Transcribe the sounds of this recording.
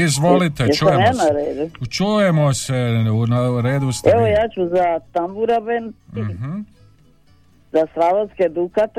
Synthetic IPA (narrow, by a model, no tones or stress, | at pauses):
izʋolit̪ejt͡ʃujemjaːnaɾeːd̪ut͡ʃujemoseunaɾeːd̪ust̪eʋojaːt͡ʃuzat̪ambuɾabenm̩ | zasɾadosked̪ukat̪